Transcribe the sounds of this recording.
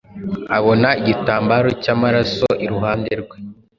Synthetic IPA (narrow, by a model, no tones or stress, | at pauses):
aβo̞naiɟitaːmbaːɾo̞caːmaɾaso̞ʔiɾuɦaːnde̞ɾɡwe̞